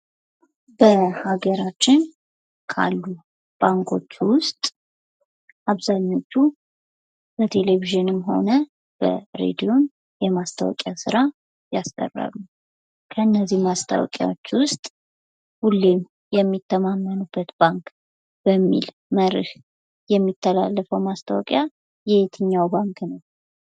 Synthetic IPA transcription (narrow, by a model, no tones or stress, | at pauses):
bəhaɡəɾat͡ʃːɪn | kʰa̰lːu | b̥aŋkʰo̞̰t͡ʃːwʊst̪ʼ | ʔaβzaɲːo̞t͡ʃːu | b̥ət̪ʰe̞le̞viʒɨnɨmɦo̞nə | b̥ə̰ɾḛd̪ijo̞n | jɛmast̪ʰawɔ̰kʼjasɨɾa | jast̪ʼə̰rːa̰lːu | kʰəɨnːəzːihmast̪ʰa̰wɔ̰kʼja̰wot͡ʃːwʊst̪ʼ | hulːe̞m | jɛmːit̪ʰːəmamːənubːət̪b̥aŋk | b̥əmːḭl | məɾɨh | jɛmːit̪ʰːəla̰lːəfəwmast̪ʰawɔkʼja | jɛet̪ʰɨɲːawbaŋknəw